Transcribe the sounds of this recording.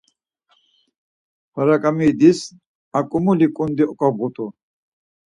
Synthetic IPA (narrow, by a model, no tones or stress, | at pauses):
waɾakʼamid̪is | akʼumulikʼund̪iʔɔkʼɔbʁut̪ʰʼu